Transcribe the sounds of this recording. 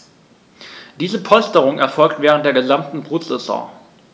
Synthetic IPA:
d̥iːzəpʰɔlstəʁʊŋɛɐfɔlktv̥ɛːʁəntd̥eːɐɡəzamtn̩bʁuːtsʁɛzɔ̰̃ː

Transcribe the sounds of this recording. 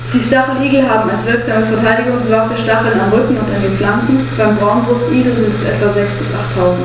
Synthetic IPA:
d̥iːʃtaχl̩ʔiːɡl̩ɦaːbm̩alsv̥ɪɐkz̥aːməfɛɐtʰaɪdɪɡʊŋsv̥afəʃtaχl̩namʁʏkŋ̩ʊntandeːnflamkn̩b̥aɪmbʁaʊnvʊsn̩ʔiːɡl̩zɪntɛsʔɛ̰tv̥azɛksb̥ɪsʔa̰χtʰːaʊzn̩t

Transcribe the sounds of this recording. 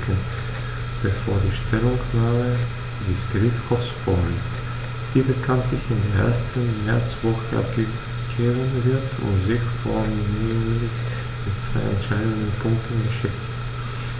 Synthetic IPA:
kʰən | b̥əfoːɐdiːʃtʰɛlʊŋknaːmə | dɪskʁiːtxɔsfɔn | d̥iːbəkʰantɪçɪndeːɐʔḛːɐstən̩mɛɐt͡sv̥ɔxəʔa̰p̚ɡ̥ə | ɡ̥eːbənvɪɐtʰʊ̰ntzɪçfɔminiʁəlɪç | mɪtt͡sv̥a̰ɪnɛ̰ntʃaɪdəndənpʰʊŋk̚tʰən̩ɡɐʃɪkt

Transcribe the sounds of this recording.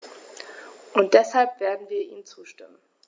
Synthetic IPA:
ʔʊnt̚d̥ɛshalpv̥eːɐdn̩viːɐʔḭːnt͡suːʃtɪmən

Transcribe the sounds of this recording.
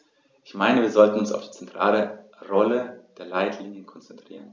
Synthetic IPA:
ʔɪçmaɪnəviːɐzɔltn̩ʊnsa̰ʊfd̥i̥ːt͡sɛntʁ̥a̰ːlə | ʁɔləd̥eːɐlaɪtʰliːnjənkʰɔnt͡sɛntʁ̥iːʁən

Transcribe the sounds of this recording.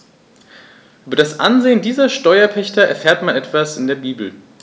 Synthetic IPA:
ʔʔyːbɐɾasʔa̰nzeːəndiːzɐʃtɔʏɐpʰɛçtɐɛ̰ɐfɛːɐtmanɛtv̥asɪndeːɐbiːbl̩

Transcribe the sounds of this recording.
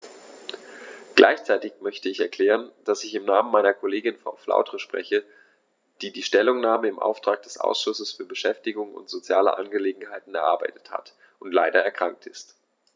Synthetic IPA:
ɡ̥lʔa̰ɪçt͡saɪtɪçmœçtəɪçɛɐkl̥ɛːʁ̞ənd̥asɪçɪmnaːmənmaɪnɐkʰoleːɡɪnfa̰ʊflʔa̰ʊtʁəʃpʁ̥ɛ̰çə | d̥iːdiːʃtɛlʊŋnaːməɪmʔa̰ʊftʁ̥aːk̚d̥ɛsʔa̰ʊsʃʊsəsfyːɐbəʃɛftɪɡʊŋʊ̰ntz̥ot͡sjaːlə̰ʔa̰nɡəleːɡŋ̩ɦaɪtn̩ɛɐʔaɐba̰ɪtə̥tha̰t | ʔʊntlaɪdɐɛɐkʁ̥aŋk̚tɪst

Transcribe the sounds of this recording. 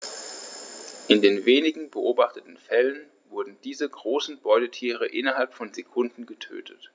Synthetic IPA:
ʔɪndeːnveːnɪɡŋ̩bəʔoːbaχtətn̩fɛlən | vʊɐdn̩d̥iːzəɡʁoːsn̩bɔʏdətʰiːʁ̞əʔɪnɐɦalpfɔnzekʰʊndn̩ɡətʰø̰ːtʰət

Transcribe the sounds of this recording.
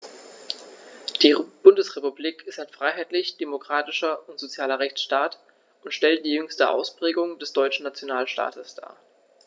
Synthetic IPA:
d̥iːb̥ʊndəsʁepubliːkɪstaɪnfʁ̥aɪɦaɪtlɪçd̥emokʁ̥aːtɪʃɐʊntz̥ot͡sjaːlɐʁɛçt͡sʃtaːt | ʔʊntʃtɛlt̚d̥iːjʏŋstəʔa̰ʊspʁ̥ɛːɡʊŋd̥ɛsd̥ɔʏt͡ʃn̩nat͡sjonaːlʃta̰ːtəsd̥a̰ːɐ

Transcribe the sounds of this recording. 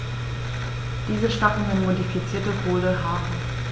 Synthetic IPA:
d̥iːzəʃtakn̩hʊnmodifit͡siːɐtəkʰoːləɦaːbm̩

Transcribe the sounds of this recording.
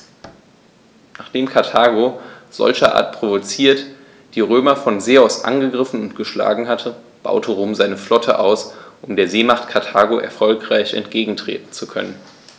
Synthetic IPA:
naːχd̥eːmkʰaɐtʰaːɡoz̥ɔ̰lçɐʔa̰ːɐtpʁ̥ovot͡siːɐt | d̥iːʁøːmɐfɔnzeːɔsʔa̰nɡəɡʁɪfn̩ʊntɡ̥əʃla̰ːɡŋ̩ɦatʰə | b̥a̰ʊtʰəʁoːmzaɪnəflɔtʰə̰ʔaʊsʔʊmdeːɐzeːmaχtkʰaɐtʰaːɡoʔɛ̰ɐfɔlkʁ̥aɪçɛ̰ntɡ̥eːɡŋ̩tʁ̥ḛːtn̩t͡sukʰœ̰nən

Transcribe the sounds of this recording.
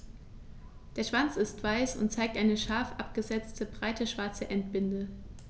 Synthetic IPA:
d̥eːɐʃv̥ant͡sɪstv̥aɪsʊ̰ntt͡saɪk̚tʔaɪnəʃaɐfʔap̚ɡ̥əzɛt͡stʰəbʁaɪtʰəʃv̥aɐt͡səʔɛntb̥ɪndə

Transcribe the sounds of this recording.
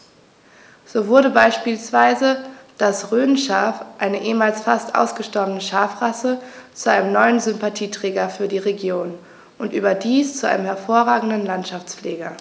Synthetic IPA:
z̥oːvʊɐdəbaɪʃpiːlsv̥aɪzəd̥asʁøːnnʃaːfʔaɪnəʔeːmaːlsfastʔa̰ʊsɡ̥əʃtɔɐbənəʃaːfʁasət͡suʔaɪnəmnɔʏənzʏmpatʰiːtʁ̥ɛːɡɐfyːɐdiːʁeɡjoːn | ʔʊntʔyːbɐdiːst͡suʔa̰ɪnəmhɛɐfoːɐʁaːɡŋ̩dn̩lantʃaft͡sfleːɡɐ

